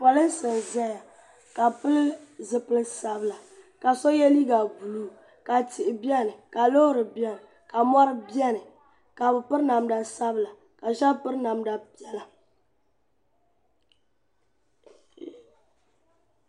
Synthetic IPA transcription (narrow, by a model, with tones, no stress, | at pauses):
pɔ˨lɨ˦n˦sɨ˨n˨zɛ˦ja˨ | ka˨pɨ˦lzɨ˦pɨ˦lsa˨bɨ˦la˨ | ka˨so˦jɛ˦li˦ɡa˨ɡu˨luː˦˨ | ka˨tɪ˨ʔɪ˨bɛ˦nɨ˨ka˨lo˦hɾɨ˨bjɛ˦m˨ | ka˨mɔ˦ɾɨ˦bɛ˦nɨ˨ | ka˨bɨ˨pɨ˦ɾna˨mda˨sa˦bɨ˦˨la˨ | ka˨ʒa˦pɨ˦ɾna˨mda˨pi˦ɛ˦la˨